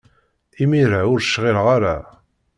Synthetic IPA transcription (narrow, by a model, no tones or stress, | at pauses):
imiɾaʊɾʃːʁɪlʁaɾa̰